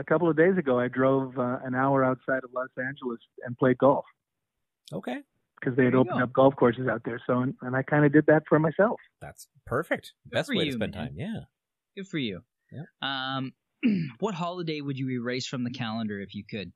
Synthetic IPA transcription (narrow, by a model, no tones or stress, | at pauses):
ɨkʰʌpl̩ˠʌvdeɪzɨɡoʊaɪdɹoʊvʌɨ̃naʊə˞aʊtsaɪɾʌvlɔsæ̃nd͡ʒl̩ˠəsɨ̃npʰl̥eɪd̚ɡɔlˠf | oʊkʰeɪ̥ | kʰʌzðeɪɨɾoʊpəndʌp̚ɡ̥ɔlˠfkʰɔɹsɨzaʊt̪̚ðə˞soʊə̃nɨ̃naɪkʰãɪ̃ndɨdɨd̪̚ðɨtfə˞maɪsɛlˠfðæ̰ts | pʰɜ˞fɪk̚t̚b̥ɛstəweɪɨsɛ̰̃ntʰã̰ɪ̃mjæ | ɡ̥ʊd̥fə˞jʉ | ʔʌ̃m | wʌt̚ɦɑlˠədeɪwɨd͡ʒɨɹiɹeɪsfɹʌ̃mðɨkʰælˠə̃ndə˞ɨfjɨkʰɨd̥̚